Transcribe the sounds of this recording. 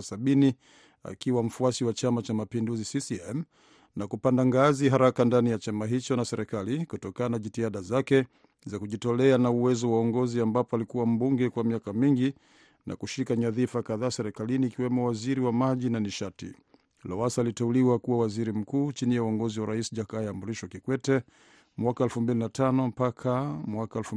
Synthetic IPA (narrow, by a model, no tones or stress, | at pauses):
saɓini | a̰kiwam̩fuasiwat͡ʃamat͡ʃamapinduzisisiɛm | nakupandaŋɡaziɦaɾakandanijat͡ʃamaɦit͡ʃɔnasɛɾɛkalikutɔkananaʄitiaɗazakɛ | zakuʄitɔlɛanauwɛzɔwaɔŋɡɔziambapɔalikuwam̩buŋɡɛkwamiakamiŋɡi | nʔa̰kuʃikaɲaðifakaðaːsɛɾɛkaliniːkiwɛmɔwaziɾiwamaʄinaniʃatḭ | lɔwasaːlitɛuliwakuwawaziɾim̩kuːt͡ʃinijauɔŋɡɔziwaɾaisʄakajambuɾiʃwɔkikwɛtɛ | mwakaɛlfumbilinatanɔmpakʰamwakaɛlf